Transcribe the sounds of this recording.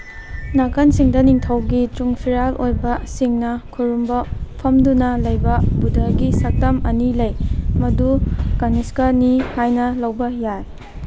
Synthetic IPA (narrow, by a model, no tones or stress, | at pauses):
nakʰansiŋdɐniŋtʰɐwɡituŋpʰiɾalʔojbɐsiŋnɐkʰuɾumbɐpʰɐmdunɐlɐjbɐbudʱɐɡisɐk̚tɐmɐnilɐjmɐdukaniskanihajnɐlɐwbɐjaj